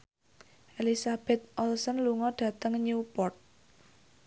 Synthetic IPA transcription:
ʔelisab̥ɛt̪̚ʔɔlsənluŋɔɖ̥ä̤t̪əŋɲupɔrt̪̚

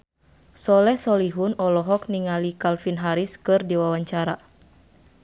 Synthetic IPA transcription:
sɔlɛhsɔliɦunɔlɔɦɔk̚niŋalikalfinɦaɾiskɨrdiwawaɲt͡ʃaɾa

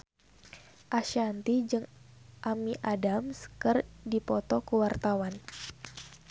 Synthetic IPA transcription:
ʔaʃiant̪id͡ʒɨŋʔamiʔadamskɨrdipɔt̪ɔkəwart̪awan

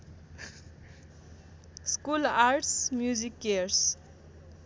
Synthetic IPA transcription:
skulaɾʈsmjuzikːeɾs

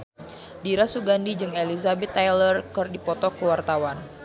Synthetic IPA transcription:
diɾasuɡandid͡ʒɨŋelizabɛt̪ːajlərkərdipɔt̪ɔkəwart̪awan

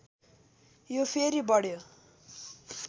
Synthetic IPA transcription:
jopʰeɾibʌɽjo

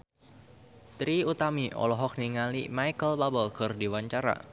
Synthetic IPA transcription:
t̪ɾiut̪amiʔɔ̰lɔɦɔk̚niŋalimajkəlbabəlkɨrdiwaɲt͡ʃaɾa̰

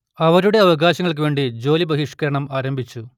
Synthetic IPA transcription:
ɐʋɐɾuɽe̞ɐʋɐɡaːɕɐŋːɐɭk̬ɨʋe̞ːɳɖid͡ʑo̞ːlibɐɦiʂkɐɾɐɳɐmaːɾɐmbʱit͡ɕːu

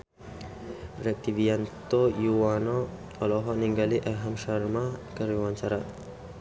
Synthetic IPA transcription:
ɾɛk̚t̪iviant̪ojuwanɔ | ɔlɔɦɔniŋɡaliʔaɦamʃaɾmakəɾiwaɲt͡ʃaɾa

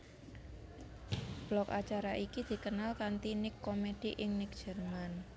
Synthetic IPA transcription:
b̥lɔkat͡ʃaɾaʔikid̪̥i̤kənalkant̪inɪkːomed̥iʔɪŋnɪk̚d̥ʒ̥ə̤rman

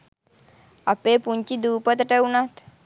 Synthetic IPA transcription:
apepuɲt͡ɕiːd̪upət̪ʈeunat̪

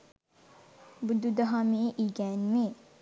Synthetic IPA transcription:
bud̪ud̪ɐɦameːʔiːɡɛːnmeː

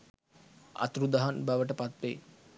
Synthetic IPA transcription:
a̰t̪ɾud̪aɦanbæʋəʈəpat̪ʋḛ

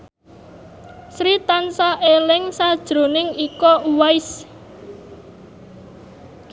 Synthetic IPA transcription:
sɾit̪ansaʔelɪŋsad̥ʒ̥ɾo̤nɪŋikɔwaɪs

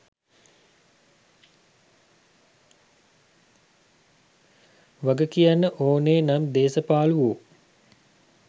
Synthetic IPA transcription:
ʋaɡəkijanːəʔoːneːnamd̪eːsəpaːluʋoː

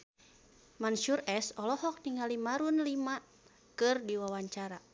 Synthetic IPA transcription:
manʃurɛsɔlɔhɔk̚niŋalimaɾunlima | kɨrdiwawaɲt͡ʃaɾa

